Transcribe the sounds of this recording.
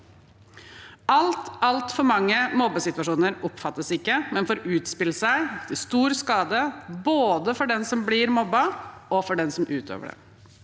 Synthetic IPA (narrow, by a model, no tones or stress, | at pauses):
ɑlt̪ɑlt̪fɔɾmɑŋːəmɔbːəsɪt̪ʉɑʂuːnəɾʊpfɑt̪ːəsɪkːəmɛnfɔɾʉːt̪spɪlːəsæɪt̪ʰɪlst̪uːɾskɑːd̪əboːd̪əfɔɖɛnsɔmblɪːɾmɔbːɑɔfɔɖɛnsɔmʔʉːt̪ʰø̰ːʋə̰ɖɛ̰